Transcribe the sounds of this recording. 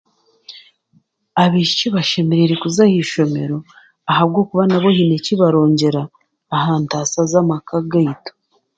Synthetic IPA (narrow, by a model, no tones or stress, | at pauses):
aβiʃiciβaʃemeɾeɾekuzahiʃo̞me̞ɾo̞ | aɦaβɡo̞ːkuβanaβo̞hineciβaɾo̞ːɲɟe̞ɾaː | haːntaːsazamakaɡaito̥